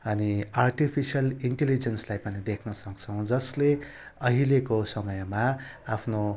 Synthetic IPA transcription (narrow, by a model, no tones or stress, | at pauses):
ʌniarʈipʰisjʌliɳʈelid͡zenslajpʌnid̪ekʰnʌsʌkt͡sʰʌw̃d͡zʌsle | ʌɦilekosʌmʌjma | apʰno